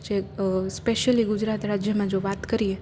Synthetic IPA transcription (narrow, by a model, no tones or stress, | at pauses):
d͡ʒespeʃəliɡud͡ʒɾat̪ɾad͡ʒjəmãd͡ʒoʋat̪kəɾie